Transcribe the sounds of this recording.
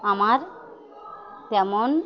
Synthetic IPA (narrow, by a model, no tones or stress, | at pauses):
amaɾ | d͡ʒɛmon